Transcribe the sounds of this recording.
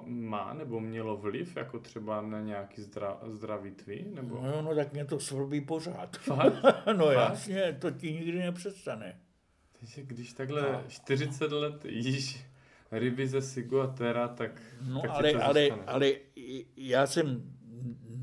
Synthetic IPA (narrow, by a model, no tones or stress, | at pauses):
ma̰ːnɛbomɲɛlovlɪfja̰kot̪r̝̥ɛbanaɲɛakizd̪ɾa̰zd̪ɾavit̪vɪnɛbonjonot̪akmɲɛt̪osvl̩biːporaːt̪fanojasɲɛt̪ocɪɲɪɡdɪnɛpr̥ɛst̪anɛ | t̪aɡʒɛɡdɪʃt̪aɡɦlɛʃt̪ɪrɪt͡sɛt̪lɛt̪jɪʃ | ɾɪbɪzɛsɪɡuat̪ɛɾat̪aknoakalɛʔalɛanɛʔalɛ | jaːsɛm